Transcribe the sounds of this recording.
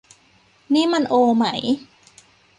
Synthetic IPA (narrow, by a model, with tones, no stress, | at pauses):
niː˦˥˩ma˧nʔoː˧ma̰˦˩˦j